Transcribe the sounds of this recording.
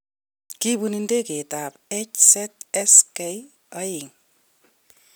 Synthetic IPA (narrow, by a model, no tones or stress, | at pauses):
kibunindeketapet͡ʃsɛt̚ɛskej | aiŋ